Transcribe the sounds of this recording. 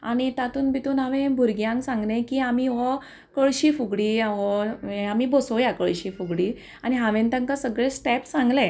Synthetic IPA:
a̰ɽ̃it̪at̪uːnbʱit̪uːnaʋẽbʱuɾɡjãŋksãŋɡlẽkiːamiʋɔ | kəɭɕiːfuɡɽiːaʋɔamiːbosojakəɭɕiːfuɡɽiː | aɽ̃iɦãʋẽnt̪əŋkasəɡɭẽsʈɛpsãŋɡlẽ

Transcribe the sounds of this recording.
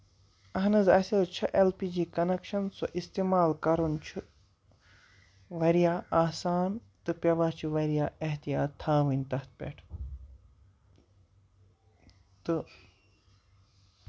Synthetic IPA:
ɐɦnɨzɐsilt͡ʃʰɐʔelpiːd͡ʒiːkɐnekʃɐnsoʔist̪iːmaːlkɐɾunt͡ʃʰu | ʋɐɾijaːaːsaːn | t̪ɨpʲɐʋaːt͡ʃʰiʋɐɾijaːeɦt̪ijaːt̪ʰːaːʋɨnʲt̪ɐht̪̚ʰpʲḛʈʰ | t̪ɨ

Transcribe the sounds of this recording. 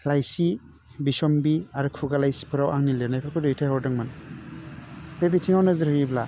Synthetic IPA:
lajsi | bisɔmbiaɾɯkʰuɡalajsi̥pʰɯɾawʔaŋnilɯnajpʰakʰɔdɯjtʰajhɔwdɯŋman | pebitʰiŋawnazɯɾhɯjibla

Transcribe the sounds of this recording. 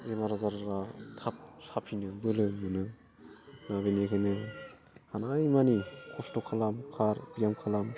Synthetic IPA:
emaɾazaɾɾatʰap̚sapʰinɯbɯlɯmɯnɯ | naβenekʰajnɯ | hanajmanikʰɔstokʰalamkʰaɾbijamkʰalam

